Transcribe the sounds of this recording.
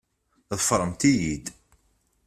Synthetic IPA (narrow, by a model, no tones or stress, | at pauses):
ðəfɾˤəmt̪ijid̪